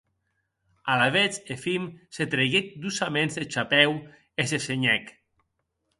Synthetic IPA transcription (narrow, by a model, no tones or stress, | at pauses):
alaβet͡sefimset̪ɾeɣek̚d̪usamẽnzet͡ʃapɛw | eseseɲɛk